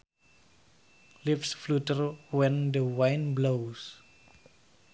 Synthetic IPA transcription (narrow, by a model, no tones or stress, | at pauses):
lɪfsflutərwɛ̃ndəwãjnblows